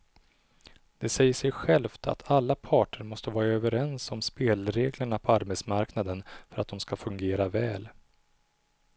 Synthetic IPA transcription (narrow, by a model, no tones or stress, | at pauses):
d̪̥ɛsɛjːəʂɛjɧɛlft̪ʰa̰t̪ʰalːapʰɑːʈəɾmɔst̪əvɑːɾaøːvəɾɛnsɔmspeːlɾeːɡləɳapʰɔaɾbɛsmaɾknad̪ənfœɾat̪̚d̪ɔmskafɵŋɡeːɾavɛːl